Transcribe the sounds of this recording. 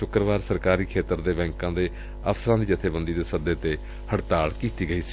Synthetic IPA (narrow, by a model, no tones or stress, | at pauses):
ʃʊkɾəʋaːɾsəɾkaːɾiːkʰeːt̪əɾd̪eːbɛ̃ːŋkãːd̪eː | əfsəɾãːd̪iːd͡ʒət̪ʰeːbənd̪iːd̪eːsəd̪eːt̪eː | həɽt̪aːɭkiːt̪iːɡəiːsi̥ː